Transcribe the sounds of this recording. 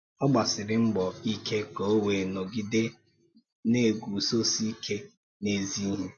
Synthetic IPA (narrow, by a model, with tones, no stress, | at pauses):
ɔ˦ɡ͡ba˨sɪ˨ɾɪ˨m̩˦ɡ͡bɔ˨i˦ke˦ko˨o˦we˨no˨ɡɪ˦de˦ | ne˦˨ɡu˨so˦si˦ke˦ | ne˨zi˦ɦe˦